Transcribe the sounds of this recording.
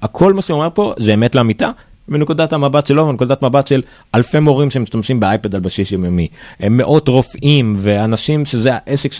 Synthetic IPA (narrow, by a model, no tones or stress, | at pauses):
akʰo̞lmaʃeome̞ʁpo̞zeːmetleamita | minekudathamabatʃelovinekudat̪mabatʃel | ʔalfemoʁimʃemiʃtamʃimbeajpedalbaʃiʃjomjomimːeʔo̞tʁo̞fimveanaʃimʃezeaʔe̞sekʃ